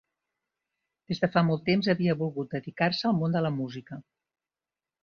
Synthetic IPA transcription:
d̪̥ezðəfamolˠt̪ːemzəβiəβulˠɣut̪̚d̪əðikarsəːlˠmond̪ələmuzikə

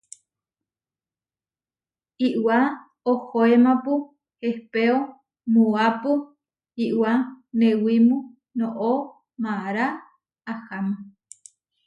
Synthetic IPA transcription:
iʔwa | ohoemapu | hehpeo | muapu | iʔwanewimũ | nõʔo | maɾaː | hamu

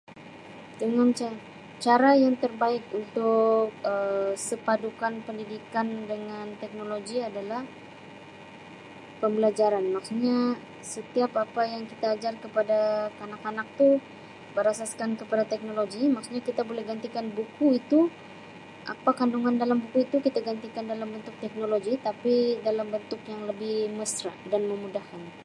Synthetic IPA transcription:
dəŋant͡ʃa | t͡ʃaɾajaŋt̪ərbaɪkunt̪ʊkəsəpadukanpəndidikandəŋant̪ɛk̚noloɡiadalah | pəmbəlad͡ʒaɾanmaksuɲa | sət̪iapapajaŋkit̪aːd͡ʒarkəpadakanakanak̚t̪u | bərɾasaskankəpadat̪ɛk̚noloɡimaksuɲakit̪abolɛhɡant̪ikanbukuit̪u | ʔa̰pakanduŋandalambukuit̪ukit̪aɡant̪ikandalambənt̪ʊk̚t̪ɛk̚noloɡit̪apidalambənt̪ʊkjaŋləbɪhməsɾa̰ʔdanməmudahkan

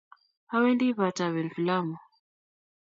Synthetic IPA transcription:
hawɛndiβataβɛnfilamu

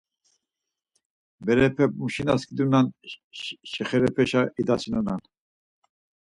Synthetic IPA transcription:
bɛɾɛpʰɛp̚muʃinaskʰʼid̪unan | ʃɛχɛɾɛpʰɛʃaʔid̪asʰinunan

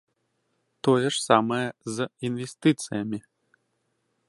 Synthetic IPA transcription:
t̪ojəʂsamɐjɛzinvʲesʲt̪ɨt̪sɨjɐmʲi

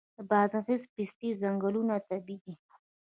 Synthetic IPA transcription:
d̪əbaːd̪afizpist̪izaŋɡəlunat̪abid̪i

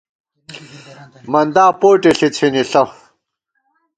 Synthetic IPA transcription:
mɐnd̪aːpoːʈiɬit͡sʰiniɬɐ

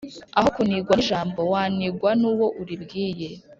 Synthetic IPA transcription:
ahokuniɡwanʒaːmbo̞waːniɡwanuːwo̞ʔuɾibɡiːje̞

